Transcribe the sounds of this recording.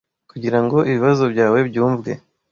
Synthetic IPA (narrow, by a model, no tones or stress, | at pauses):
kuɟiɾaŋɡo̞ʔiβiβazo̞bɟaːwe̞bɟuːɱvɡe̞̰